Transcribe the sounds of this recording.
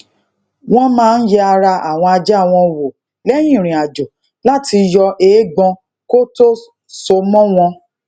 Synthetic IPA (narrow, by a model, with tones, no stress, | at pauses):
w̃ɔ̃˦mãː˦n̩˦jɛ˧a˧ɾa˧ʔa̰˨w̃ɔ̃˧a˧d͡ʒɛ˦a˦˨w̃ɔ̃˧wo˨ | lɛ˦j̃ĩ˦˨ɾ̃ĩ˨a˨d͡ʒo˨ | la˦ti˧jɔ˧ʔeː˨˦ɡ͡bɔ̃˧ | ko˦to˦ | so˧mɔ̃˦w̃ɔ̃˧